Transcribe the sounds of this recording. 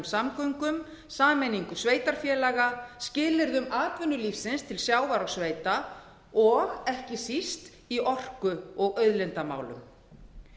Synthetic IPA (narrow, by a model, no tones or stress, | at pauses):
msamkœŋkʏm | saːmɛniŋkʏsveːjt̪aɾ̥fjɛːlaɣascɪːlɪɾðʏmaːt̪vʏnːʏlifsɪnst̪ʰɪlsjaːwvaɾɔɣsveːjt̪a | ɔɣɛhcɪsist̪ | iʔɔr̥kʏɔɣœɥðlɪnt̪ama̰ːwlʏ̰m